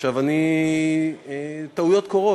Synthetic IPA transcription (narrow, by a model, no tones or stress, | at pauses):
ʃavani | et̪aujo̞t̪koʁo